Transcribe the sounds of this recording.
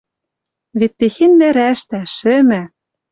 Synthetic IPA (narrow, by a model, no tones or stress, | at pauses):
vet̪ːexenːæɾæʃt̪æʃɘ̆mæ